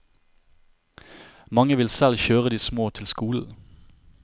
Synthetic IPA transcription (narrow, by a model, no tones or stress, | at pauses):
mɑŋəʋɪlsɛlçøːʁəd̪iːsmoːt̪ʰɪlskuːl̩